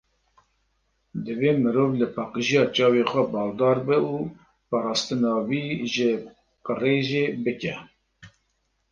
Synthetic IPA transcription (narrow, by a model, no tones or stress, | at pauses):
d̪ɨveːmɨɾoːvlɨpʰɑːqəʒijɑːt͡ʃɑːwexʷɛbɑːld̪ɑːɾbɨu | pɑːɾɑːst̪ɨnɑːwiːʒɪ | qəreːʒebɨkɛ